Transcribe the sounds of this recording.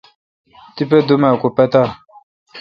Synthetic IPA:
t̪ip̬ed̪umɛkopɛt̪a

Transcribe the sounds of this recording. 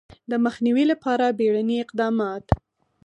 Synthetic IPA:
d̪əməxniwilapɑɾabeɽaniɪqd̪ɑmɑt̪

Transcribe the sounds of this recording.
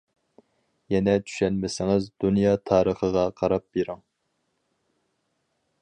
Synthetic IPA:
jɛnɛt͡ʃ̪ʰy̥ʃɛnmɪsɪŋɪzd̪unjɑːt̪ʰɑːɾəχəʁɑqʰɑɾɑp̚beɾɪŋ

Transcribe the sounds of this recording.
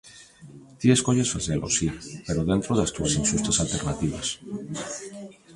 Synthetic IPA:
t̪ieskoʎesfaθelʔo̰sipeɾoðent̪ɾoðast̪uasinsust̪asalt̪eɾnat̪iβa̰s

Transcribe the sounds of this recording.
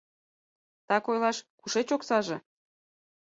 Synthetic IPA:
t̪ɑkojlɑʃkuʃet͡ɕoksɑʒĕ

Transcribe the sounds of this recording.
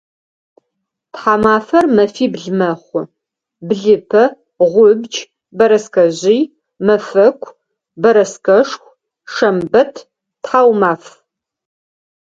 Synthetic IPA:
tħaːmaːfɐrmɐfiːbɮmɐχʷʊ | bɮɨpʰɐ | ʁʷʊbd͡ʒ | bɐɾɐskɐʑij | mɐfɐkʷʼʰ | bɐɾɐskɐʂxʷ | ʂɐmbɐtʰ | tħaːwmaːf

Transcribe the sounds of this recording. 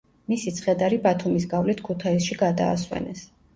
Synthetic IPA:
misit̪sʰχɛd̪aɾibat̪ʰumis̬ɡavlit̪ʰkʰut̪ʰaisʃiɡad̪a̰ːswɛ̰nɛs

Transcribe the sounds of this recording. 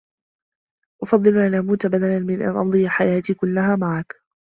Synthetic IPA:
ʔʊfɑd̪ˤːɨlʔanʔamuːt̪abad̪alanmɪnʔa̰nʔɑnd̪ˤɨjaħajaːt̪iːkʊlːaɦaːmaʕak

